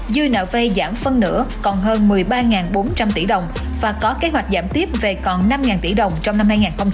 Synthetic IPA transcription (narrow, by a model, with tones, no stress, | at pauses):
zɨ˧jnə̰ː˧˨ve˧jzaː˧˩mfə˧nːɨ̰˧˥əkɔ˨˩nɦəː˧nmɨ˨˩əjɓaː˧ŋaː˨˩nɓo˨˦nt͡ɕa˧mt̪i˧˩ɗə˨˩wŋ͡m | vaː˨˩kɔ˨˦ke˨˦ɦwa˨˩jk̚zaː˧˩mt̪i˦˥əp̚ve˨˩kɔ˨˩nna˧mŋaː˨˩nt̪ḭ˧˩ɗə˨˩wŋ͡mt͡ɕɔ˧wŋ͡mna˧mhaː˧jŋaː˨˩nxə˧wŋ͡m